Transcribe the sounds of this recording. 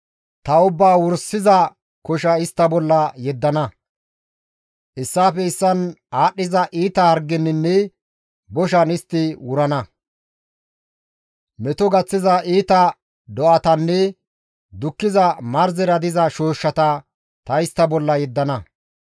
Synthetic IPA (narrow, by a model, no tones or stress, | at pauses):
t̪ɐʊbːaːwʊɾsɪzɐ | kɔʃɐɪst̪ːɐbɔlːɐjɛd̪ːɐnɐ | ʔɪsːaːfɛɪsːɐnaːɗːɪzɐʔiːt̪ɐhɐɾɡɛnːɪnːɛ | bɔʃ̬ɐnɪst̪ːɪwʊɾɐnɐ | mɛt̪ɔɡɐt͡sːɪzɐʔiːt̪ɐ | d̪ɔʔɐt̪ɐnːɛ | d̪ʊkːɪzɐmɐɾzɛɾɐd̪ɪzɐʃoːʃːɐt̪ɐ | t̪ɐɪst̪ːɐbɔlːɐjɛd̪ːɐnɐ